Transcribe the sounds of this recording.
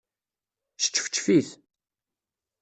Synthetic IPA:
sə̥t͡ʃːfə̥t͡ʃːfiθ

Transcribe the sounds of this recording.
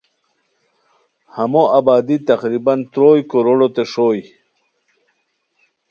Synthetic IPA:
hamoʔabaːd̪it̪aqɾibant̪ɾoːjkoɾoɽot̪eʂoj

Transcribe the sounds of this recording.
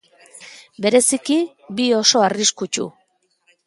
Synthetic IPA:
be̞ɾe̞siki | bio̞so̞ariskut͡ʃṵ

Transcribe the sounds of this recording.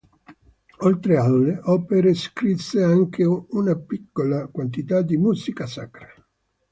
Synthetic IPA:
olt̪ɾealːeʔɔːpeɾeskɾisːeaŋk̟ʰeunapikːolakwant̪it̪ad̪ːimusikasakɾa

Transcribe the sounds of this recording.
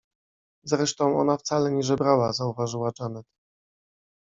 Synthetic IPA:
zɾɛʂt̪ɔ̃w̃ɔ̰naft̪salɛɲɛʐɛbɾawazauvaʐɘwat͡ʂanɛt̪

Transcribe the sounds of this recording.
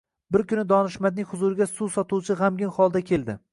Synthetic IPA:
bɪɾkʰʲʊnɪd̪ɒnɪʃmad̪̚nɪŋʲhʊzuɾɪɡʲasusɒt̪ʰuwt͡ʃʰɪʁamɡʲɪnχɒlˠd̪akʲʰe̞ld̪ɪ

